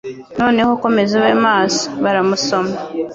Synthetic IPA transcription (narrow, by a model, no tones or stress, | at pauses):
no̞ːne̞hoko̞me̞zeβeːmaːso̥βaɾamuso̞ma